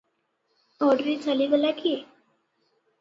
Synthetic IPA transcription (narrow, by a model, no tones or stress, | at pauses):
ɔɾɖɾiːd͡zaliːɡəlakiː